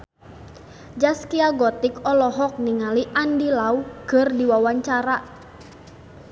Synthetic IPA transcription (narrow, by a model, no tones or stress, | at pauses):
d͡ʒaskiaɡɔt̪ikɔlɔɦɔk̚niŋaliʔandilaukərdiwawaɲt͡ʃaɾa